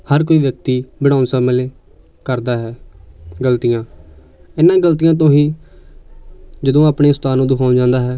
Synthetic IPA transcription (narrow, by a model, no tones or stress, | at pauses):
həɾk̬oːiːʋjək̚t̪iːbɪɽ̃aːʊnsãːməleː | kəɾd̪aːɦɛːɡəlt̪ijãː | ɪnːãːɡəlt̪ijãːt̪̬õːɦiː | d͡ʒəd̪õːaːpɳeːʊst̪aːnõːd̪ʊkʰaːʊ̃nd͡ʒãːnd̪aːɦɛː